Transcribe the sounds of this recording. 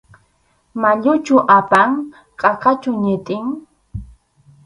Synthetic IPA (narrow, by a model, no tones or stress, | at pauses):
maʎʊt͡ʃʊʔapaŋ | qʼɑqɑt͡ʃʊɲɪt̪ʼɪŋ